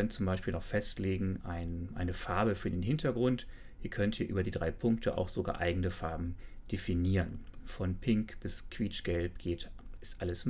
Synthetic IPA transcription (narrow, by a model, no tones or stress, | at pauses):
œntt͡sʊmbaɪʃpiːlnɔχfɛstleːɡŋ̩ʔaɪnʔa̰ɪnəfaɐbəfyːɐdeːnɦɪntʰɐɡʁʊnt | ʔiːɐkʰœnthiːɐʔyːbɐdiːdʁaɪpʰʊŋktʰəʔa̰ʊxz̥oɡa̰ːɐʔaɪɡŋ̩əfaɐbm̩d̥efiniːʁənfɔnpʰɪŋkb̥ɪskʰv̥iːt͡ʃɡ̥ɛlpɡ̥eːtɪstʔaləs